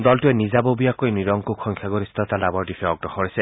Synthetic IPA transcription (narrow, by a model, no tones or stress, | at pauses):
dɔltʊɛnizabobijakojniɹɔŋkukʰːɔŋkʰjaɡoɹistɔtalabɔɹdifʰɛɔɡ̚dɔxʰɔɹisɛ